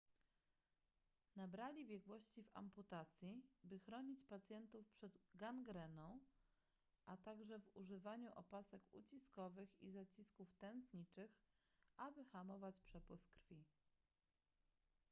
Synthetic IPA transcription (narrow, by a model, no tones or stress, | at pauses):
nabɾalʲibʲjɛɡwɔɕt͡ɕiva̰mput̪at̪sʲjibɘxɾɔɲit͡ɕpat̪sʲjɛnt̪ufpʂɛd̪ɡanɡɾɛnɔ̃w̃ | ʔat̪aɡʐɛvuʐɘvaɲuʔɔ̰pasɛkṵt͡ɕiskɔvɘxizat͡ɕiskuft̪ɛnt̪ɲit͡ʂɘxʔabɘxamɔvat͡ɕpʂɛpwɘfkɾfʲi